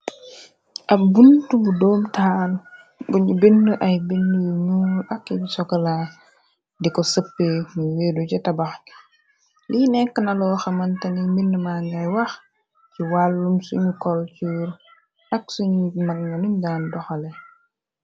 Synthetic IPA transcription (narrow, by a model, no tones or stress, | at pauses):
ʔabuntubudɔːmtal | buɲubindəʔajbindujunuːlʔakɛbisɔkɐla | dikɔsəpːeɲuweːdut͡ʃɛtabax | linɛkːənalɔːxamantaniminːəmaŋɡajwax | t͡ʃiwalːumsṵɲukɔlt͡ʃuːɾ | ʔak̚suɲmaɡnanuɲɡandɔxalɛ